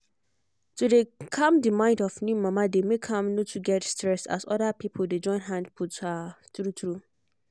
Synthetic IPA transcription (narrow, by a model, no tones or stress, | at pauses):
tʰudekʰãmdimãɪ̃ndɔfnjũmãmãdemekʰhãmnõtʰuɡɛtstɹɛsta̰sɔdapʰipʰlded͡ʒɔ̃ɪ̃nɦãndpʰutatɾutʰɾu